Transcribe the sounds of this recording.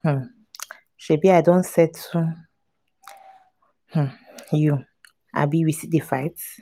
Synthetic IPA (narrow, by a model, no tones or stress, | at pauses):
h̩ | ʃebiadɔ̃ntsɛtʰu | h̩ju | a̰biɹisitdefaɪt